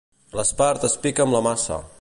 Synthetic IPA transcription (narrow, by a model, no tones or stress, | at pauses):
ləspaɾt̪əspikəːmləmasə̰